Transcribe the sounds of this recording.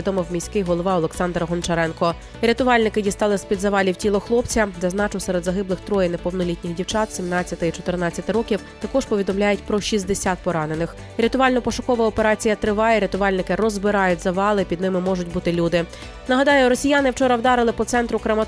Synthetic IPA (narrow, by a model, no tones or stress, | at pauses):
id̪ɔmɪwmʲisʲkɪjɦɔlˠɔʋɑɔlˠeksɑnd̪ɾɐɦɔnt͡ʃɐɾɛnkɔ | ɾʲɐt̪ʊʋɑlʲnɪkɪdʲist̪ɑlˠɪsʲpʲid̪zɐʋɑlʲiwtʲilˠɔxlˠɔpt͡sʲɐzɛznɑt͡ʃʊwsɛɾed̪zɐɦɪblˠɪxt̪ɾɔjɛnɛpɔwnɔlʲitʲnʲixdʲiwt͡ʃɑt̪sʲimnɑt͡sʲːɐt̪ɪit͡ʃɔt̪ɪrnɑt͡sʲːɐt̪ɪɾɔkʲiwt̪ɐkɔʒ̥pɔʋʲid̪ɔmlʲajʊtʲpɾɔʃizʲd̪esʲat̪̚pɔɾɑnenɪx | ɾʲɐt̪ʊɑlʲnɔpɔʃʊkɔʋɐɔpeɾɑt͡sʲijɐt̪ɾɪʋɑjɛɾʲɐt̪ʊʋɑlʲnɪkɪrɔzbɪɾɑjʊtʲzɐʋɑlˠɪpʲid̪nɪmɪmɔʒʊtʲbut̪ɪlʲud̪ɪ | nɐɦɐd̪ɑjʊɾɔsʲijanɪwt͡ʃɔɾɐwd̪ɑɾɪlˠɪpɔt̪sɛnt̪ɾʊkɾɐmɐ